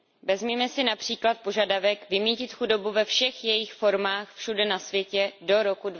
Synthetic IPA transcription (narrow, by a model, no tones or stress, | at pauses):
vɛzmiːmɛsɪnapr̝̥iːklat̪̚po̞ʒadavɛkvɪmiːcɪt̪xudo̞buvɛfʃɛxjɛjɪxfo̞ɾmaːxfʃudɛnasvjɛcɛdo̞ɾo̞kud